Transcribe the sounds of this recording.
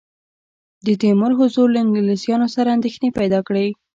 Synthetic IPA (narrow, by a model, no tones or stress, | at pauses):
d̪ət̪emʊɾɦʊzuɾlaɪŋɡlisjɑnosaɾaːnd̪exnepajd̪ɑkɽe